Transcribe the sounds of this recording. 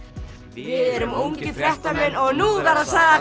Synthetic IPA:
vɪðɛɾʏmuwɲcɪθɛht̪amɛnɔɣnuðaɾaðsaɣða

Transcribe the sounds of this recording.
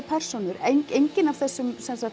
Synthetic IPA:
pʰɛr̥sonʏɾejɲcejɲcɪnav̥θɛsːʏmsɛnsa

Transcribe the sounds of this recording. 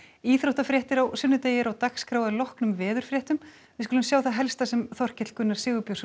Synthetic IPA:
iːθɾowht̪afɾjɛht̪ɪɾawsʏnːʏt̪eːjɪɾawt̪akskɾaːwðalɔhknʏmvɛːðʏɾ̥fɾjɛht̪ʏm | vɪðskʏːlʏmsjaːwθaɦɛlst̪asɛmθɔr̥cɪt̪l̥kʏnːaɾsɪːɣʏpjows

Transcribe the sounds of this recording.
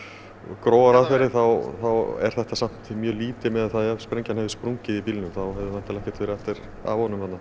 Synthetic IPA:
kɾoːwaɾaðfɛɾɪθawθawɛ̰ɾ̥θɛht̪asam̥t̪mjœːliːt̪ɪmɛðaðθaðaspɾejɲcanɦɛvðɪspɾuɲcɪðipilnʏmθawɦɛvðɪθḁt̪ɪlɛhcɛ̥t̪fɛːɾɪɛft̪ɪɾ̥ | a̰vhɔnʏmfat̪na

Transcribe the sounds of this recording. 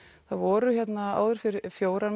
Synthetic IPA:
θaðvɔːɾʏçjɛt̪naa̰ːwðʏɾ̥fɪɾɪfjoːwɾan

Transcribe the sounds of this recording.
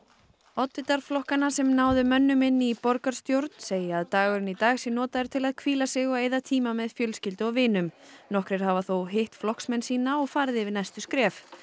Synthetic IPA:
ɔt̪ːɪt̪aɾflɔhkanasɛmnaːwðʏmœnːʏmɪnːɪipɔɾkaɾ̥st̪jowɾt̪n̥seːjɪaðt̪aːɣʏɾɪnit̪aːɣsɪnɔːt̪aɛɾ̥t̪ʰɪlaðkʰviːlasɪɣɔeːjðat̪ʰiːmamɛðfjœlscɪlt̪ɔɣvɪːnʏmnɔhkɾɛɾ̥havaθowɦɪht̪flɔhksmɛnsiːnaɔɣfaːɾðɪvɪðnajst̪ʏskɾɛːf

